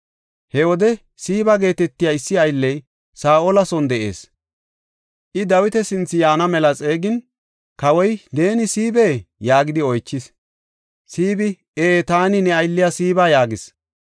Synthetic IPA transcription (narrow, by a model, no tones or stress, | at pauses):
hɛwɔd̪ɛ | siːbɐɡe̞ːt̪ɛt̪ːɪjaːɪsːɪɐjlːɛj | saːʔɔlɐsɔnd̪ɛʔe̞̰ːs | ʔɪd̪ɐwɪt̪ɛsɪnt͡sːɪjaːnɐmɛlɐt͡sʼe̞ːɡɪn | kɐwɔjne̞ːnɪsiːbeːjaːɡɪd̪ɪɔjt͡ʃːɪs | siːbɪ | eːt̪aːnɪnɛɐjlːɪjasiːbaːjaːɡɪs